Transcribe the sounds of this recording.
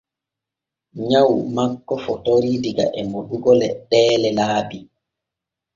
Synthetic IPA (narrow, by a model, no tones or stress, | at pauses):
ɲawmakːɔfɔtoɾidiɡa̰ʔɛmoɗuɡɔlɛɗɛːlɛlaːbi